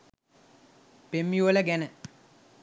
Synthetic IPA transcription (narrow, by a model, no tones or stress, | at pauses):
b̥emːiwolɛɡɛnɛ